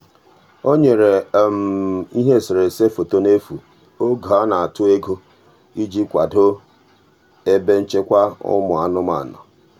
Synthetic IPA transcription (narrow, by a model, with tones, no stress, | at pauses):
o˦ɲe˨ɾe˨m̩˨i˦ɦe˦˨sɪ˨ɾe˨se˦fo˨to˦ne˦fu˨ | o˦ɡa˦na˨a˨tʊ˦e˦ɡo˦ | i˦d͡ʒi˦kʷa˨do˦ | e˦be˦n̩˦t͡ʃe˦kʷa˦ʊ̰˦mʊ˨a˨nʊ˦ma̰˨nɔ̰˨